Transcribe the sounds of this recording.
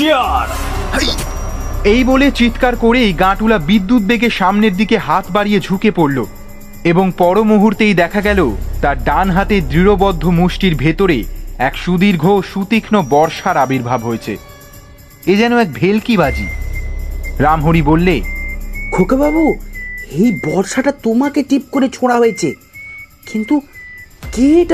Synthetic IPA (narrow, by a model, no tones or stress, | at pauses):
iaɾ | ejbolet͡ɕit̪kaɾkoɾejɡãʈulabid̪ːut̪̚beɡeʃamneɾd̪ikeɦat̪baɾijed͡ʑʱukepoɽlo | eboŋpɔɾomoɦuɾt̪ejd̪ɛkʰaɡɛlot̪aɾɖanɦat̪ed̪ɾiɾobɔd̪ʱːomuʃʈiɾbʱet̪oɾeɛkʃud̪iɾɡʱoʃut̪ikʰnobɔɾʃaɾabiɾbʱabɦoet͡ɕʰḛ | ed͡ʑɛnoɛk̚bʱelkibad͡ʑḭ | ɾamɦoɾibolːe | ɡʰʱokebabuejbɔɾʃaʈat̪omakeʈip̚koɾet͡ɕʰoɽ̃aɦoet͡ɕʰe | kint̪ukeeʈ